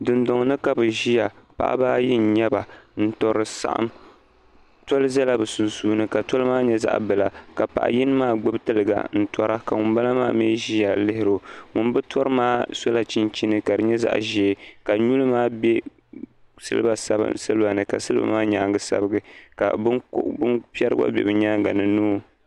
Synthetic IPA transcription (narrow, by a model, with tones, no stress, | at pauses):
dɨ˨ndɔ˨ŋ˨nɨ˦ka˨bɨ˨ʒi˦ja˨pa̰˨ʔa̰˦baː˦ji˦n̩˨ɲɛ˦ba˨n̩˦tɔ˨ɾɨ˨sa̰˦ʔa̰˦m | tɔ˦lɨ˦za˦la˦bɨ˨su˨nsuː˦nɨ˦ka˨tɔ˦lɨ˦maː˦ɲɛ˦za̰˦ʔbɨ˨la˨ka˨pa̰˨ʔa̰˨ji˦nɨ˦maː˦ɡ͡bɨ˦btɨ˦lɨ˨ɡa̰˨n̩˨tɔ˦ɾa˦ka˨ŋʊ˨nba˦la˦ma̰ː˦mɛː˦ʒi˦ja˨lɪ˦hɪ˦ɾo˨ŋʊ˨nbɨ˦tʰɔ˦ɾɨ˦maː˦so˦la˨t͡ʃi˦nt͡ʃi˦nɨ˦ka˨dɨ˨ɲɛ˦za̰˦ʔʒɛ˨˦˨ka˨ɲu˦lɨ˦maː˦bɛ˦ | sɨ̰˦lɨ̰˦ba˨sa˦b̰sɨ˦lɨ˦ba˨nɨ˨ka˨sɨ˦lba̰˦maː˦ɲaː˨˦˨ŋɡɨ˦sa̰˦bɨ˦ɡɨ˦ka̰˨bbɨ˦npɛ˦ɾɨ˦a̰˦bʲɛ̰˨bɨ˨ɲaː˦ŋɡa˨nɨ˨nuː˦